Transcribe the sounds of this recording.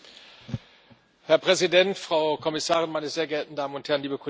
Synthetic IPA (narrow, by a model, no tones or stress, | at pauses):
hɛɐpʁ̥ɛzidɛntfʁ̥aʊkʰɔmɪsaːʁɪnmaɪnəzeːɐɡɛɐtn̩daːmənʊnthɛɐn̩liːbəkʰʊ